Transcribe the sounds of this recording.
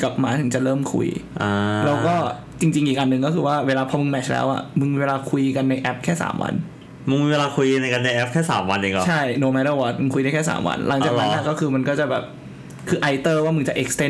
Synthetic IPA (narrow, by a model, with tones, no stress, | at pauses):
ka˨˩p̚maː˦˥t̪ʰɯ˩˦ŋt͡ɕa˨˩lɤː˥˩mkʰṵ˧jʔaː˧lɛː˦˥wkɔː˥˩ | t͡ɕi˧ŋt͡ɕi˧ŋʔiː˨˩k̚ʔa˧nːɯ˨˧ŋk̬ɔ˥˩kʰɯː˧waː˥˩weː˧laː˧pʰɔ˧mɯ˧ŋmɛ˦˥˩t͡ɕʰlɛ̰ː˦˥wʔa̰˨˩mɯ˧ŋmi˧weː˧laː˧kʰu˧jka˧nːa˧jʔɛ˦˥p̚kʰɛː˥˩sa̰ː˩˦mwa̰˧n | mɯ˧ŋmiː˧weː˧laː˧kʰu˧jka˧nːa˧jʔɛ˦˥p̚kʰɛː˥˩sa̰ː˩˦mwa˧nʔiː˨˩ŋɔ˨a˥˩jnoː˧mɛ˦˥ɾa˥˩waː˧˩t̪̚mɯ˧ŋkʰu˧na˥˩jkʰɛː˥˩sa̰ː˩˦mwa̰˧nla˩˦ŋt͡ɕaː˨˧˩na˦a˥˨˩kɔː˥˩kʰɯː˧ma˧nkɔː˥˩t͡ɕa˨˩bɛː˨˩p̚ | kʰɯː˧ʔa˧˥jt̪ɤː˥˩waː˥˩mɯ˩˦t͡ɕa˨˩ʔe˦˥k̚st̪e˥˩